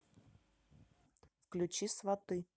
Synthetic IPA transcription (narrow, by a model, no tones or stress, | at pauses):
fklʲʉt͡ɕisvɐt̪ɨ